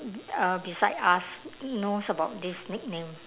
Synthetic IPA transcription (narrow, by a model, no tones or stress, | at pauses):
əbisajdasnosəbaʊt̚disnik̚nẽm